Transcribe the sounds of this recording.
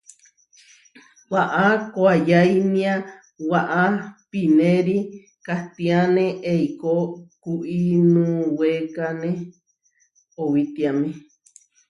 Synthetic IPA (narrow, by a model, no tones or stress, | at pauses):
waʔakoajainĩã | waʔapinẽɾi | kaht̪ĩanẽʔeikokuʔinũwekanẽ | owit̪iamẽ